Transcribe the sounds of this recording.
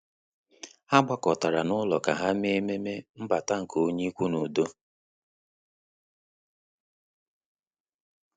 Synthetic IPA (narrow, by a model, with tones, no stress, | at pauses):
ha˦ɡ͡ba˦kɔ˨ta˨ɾa˨nʊ˦lɔ˨ka˨ɦa˦m˦e˦me˦me˦m̩˦ba˨ta˦ŋ̩˨ko˦ɲi˦kʷu˦nu˨do˦